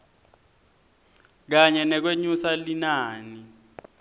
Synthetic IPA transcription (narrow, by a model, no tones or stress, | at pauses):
k̬aɲɛnɛk̬weɲusalinaːni